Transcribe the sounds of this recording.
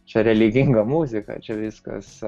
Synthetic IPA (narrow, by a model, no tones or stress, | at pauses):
t͡ʃʲɛɾʲɛlʲɪɡʲɪŋɡɐmuːzʲɪkɐ̰t͡ʃʲɛʋʲɪskɐ̰s